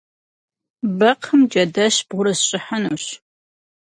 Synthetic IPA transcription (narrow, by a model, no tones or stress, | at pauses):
bɐqʰəmd͡ʒʼɐdɐɕb̥ʁʷʊɾɐsɕʼɪħɐnuːɕ